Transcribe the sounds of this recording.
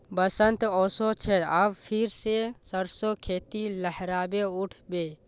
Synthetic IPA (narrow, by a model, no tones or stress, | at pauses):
bəsənt̪ɔːsot͡ʃʰeɐʋpʰɪɾsesəɾsokʰeːt̪iləhɾaːbeʊʈʰbeː